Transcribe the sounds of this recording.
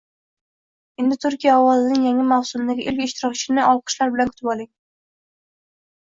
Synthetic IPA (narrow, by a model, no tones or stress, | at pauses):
end̪ɪt̪ʰʊɾkʲʰijaɒwɒzɪnɪŋjaŋʲɪmawsʊnd̪aɡʲɪʔɪlkʲɪʃt̪ʰɪɾɒk̚t͡ʃʰɪnɪɒwqʰɨ̥ʃlaɾbɪlankʰʊ̥t̪ɪpɒlˠɪŋ